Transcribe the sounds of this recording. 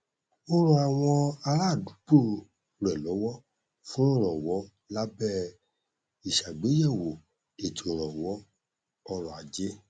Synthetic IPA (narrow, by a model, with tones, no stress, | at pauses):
o˧ɾɔ̃˨a˨w̃ɔ̃˧a˧ɾa˦˨dũ˨˦k͡po˦˨ | ɾɛ˨lɔ˨˦wɔ˦ | fũ˦o˦˨ɾɔ˨wɔ˨˦ | la˦bɛ˦˨ | i˨ʃa˨ɡ͡be˨˦jɛ˦˨wo˨ | e˨tʰi˨o˨ɾɔ˨wɔ˨˦ | ɔ˧ɾɔ˨a˨d͡ʒe˦